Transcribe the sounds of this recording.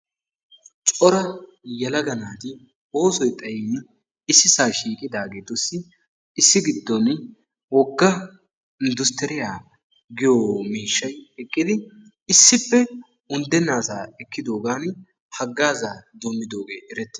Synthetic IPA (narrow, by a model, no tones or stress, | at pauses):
t͡ʃʼɔɾɐ | jɐlɐɡɐnaːt̪ɪ | o̞ːsɔjt̪ʼɐjin | ɪsːɪsaːʃiːkʼɪd̪aːɡeːt̪ɔsːɪ | ɪsːɪɡɪd̪ːɔn | wɔɡːɐ | ɪnd̪ʊst̪ɛɾɪjaː | ɡɪjoːmiːʃːɐjɛkʼːɪd̪ɪ | ɪsːɪpːɛ | ʊnd̪ɛnːaːsaːɛkːɪd̪o̞ːɡaːn | hɐɡːaːzaːd̪ɔmːɪd̪o̞ːɡe̞ːʔɛɾɛt̪ːɪ